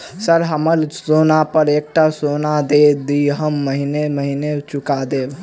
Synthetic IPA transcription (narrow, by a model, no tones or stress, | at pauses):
səɾɦəməlsonapəɾek̚ʈasonad̪ed̪iɦəmːəɦineməɦinet͡ʃukad̪eb